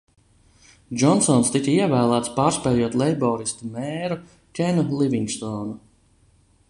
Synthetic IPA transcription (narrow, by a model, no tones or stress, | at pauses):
d͡ʒɔnsɔnst̪ikiɛvæːlˠæːt̪spaːɾspɛjuɔt̪lˠɛjbɔːɾist̪umɛːɾu | kʲenulˠivʲiŋst̪ɔːnu